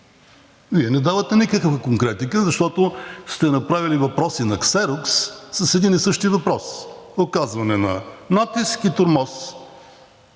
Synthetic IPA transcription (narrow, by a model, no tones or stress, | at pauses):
viɛnɛd̪avət̪ɛnikəkəvəkoŋkɾɛt̪ikəzɐʃt̪ɔt̪ʊst̪ɛnɐpɾavilivɐpɾɔsinɐksɛɾʊksːəsɛd̪inisɤʃt̪ivɐpɾɔsokazvɐnɛnɐnat̪iskit̪oɾmɔs